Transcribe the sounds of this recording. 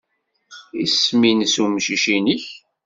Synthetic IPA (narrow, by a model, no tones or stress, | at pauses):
isminsumʃiʃiniç